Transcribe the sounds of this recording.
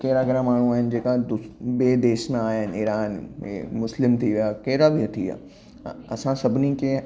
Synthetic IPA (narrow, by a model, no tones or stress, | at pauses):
keːɾaɡɪɾãmaːɳ̤ũaːɦɪnɪ̆d͡ʑeːkad̪ʊɓeːd̪eːʃnãːɦɪnɪːɾaːnemʊslɪmt̪ʰiʋijakeːɾabɪt̪ʰia̰ː | ɐsãsɐbʱɪnikʰẽ